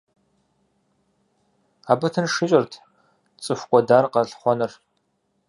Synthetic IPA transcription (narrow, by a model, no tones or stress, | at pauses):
aːbɐtʰɨnʂɪɕʼɪrtʰ | t͡sʼɨfʷkʷʼɔdaːrqɐɬχʷɔnɨr